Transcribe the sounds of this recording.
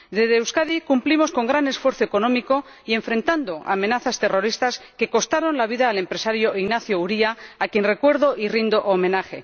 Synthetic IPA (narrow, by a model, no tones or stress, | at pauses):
d̪e̞zðeːwskaðikumplimo̞sko̞ŋɡɾane̞sfwe̞ɾθoeko̞nõ̞miko | ie̞ɱfɾẽ̞nt̪and̪o̞a̰mẽ̞naθast̪e̞ro̞ɾist̪aske̞ko̞st̪aɾo̞nlaβ̞iðaːle̞mpɾe̞saɾjo̞ʔiɣnaθjo̞uɾiaːkje̞nre̞kwe̞ɾðo̞ʔirind̪o̞ʔːmẽ̞naxe̞